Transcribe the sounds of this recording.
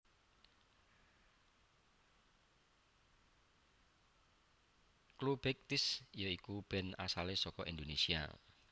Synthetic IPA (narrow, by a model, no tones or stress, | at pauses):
klub̥ek̚t̪ɪsijɔikub̥ɛ̤na̰salesɔkɔʔind̪onesia̰